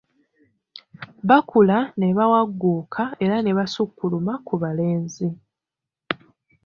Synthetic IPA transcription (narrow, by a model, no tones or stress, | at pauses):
βakʰulaneβawaɡːuːkʰae̞ɾane̞βasukːulumakuβale̞ːnzi